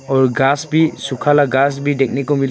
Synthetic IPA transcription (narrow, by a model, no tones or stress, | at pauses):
ɔɾɡasbisukʰalaɡas̬bidek̚nikɔmil